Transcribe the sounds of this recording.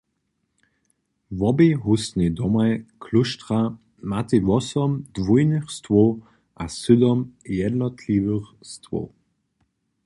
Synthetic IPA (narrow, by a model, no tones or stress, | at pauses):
vɔbeɦusnʲid̪ɔmajkʰluʃt̪ʁa | mat̪evɔsɔmd̪vujnɨxst̪vo | ʔasʏd̪ɔmjɛd̪nɔt̪ʰlivəxst̪ʋo̰